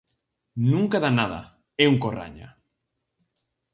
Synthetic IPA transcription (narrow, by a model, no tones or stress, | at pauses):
nũŋkaðanaða̰ | ɛuŋkora̰ɲa̰